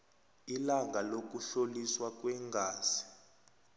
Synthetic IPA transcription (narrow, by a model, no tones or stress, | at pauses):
ilaŋʱalok̬uɬoliswak̬wɛŋɡʱaːz̥i̥